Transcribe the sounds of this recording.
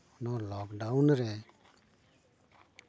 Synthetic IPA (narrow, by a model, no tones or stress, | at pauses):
nɔlɔːkɖaunɾɛ